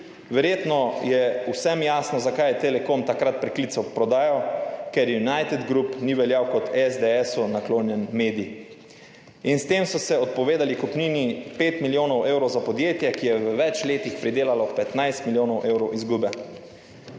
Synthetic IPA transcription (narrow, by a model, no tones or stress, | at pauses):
ʋɛɾjeːt̪nɔjɛusɛmjaːsnɔzakajɛt̪elɛkomt̪akɾat̪̚pɾɛkliːt̪sɔpɾɔd̪aːjaɔkɛɾjunajt̪ɛd̪ɡɾupniʋɛljawkɔt̪ɛzd̪eɛsunakloːnjɛnmeːd̪ii | inst̪eːmsɔsɛɔt̪̚pɔʋeːd̪alikɔpniːnipeːt̪miljoːnɔwʔeːwɾɔwzapɔd̪jeːt̪jɛkijɛʋəʋɛt͡ʃleːt̪ixpɾid̪eːlalɔkpɛt̪najst̪miljoːnɔwʔewɾɔwʔizɡuːbɛ